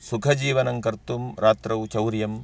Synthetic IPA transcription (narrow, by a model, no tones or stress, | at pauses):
sukʰɐd͡ʒiːʋɐnɐŋkɐɾt̪umɾaːt̪ɾɐwt͡ʃɐwɾjɐm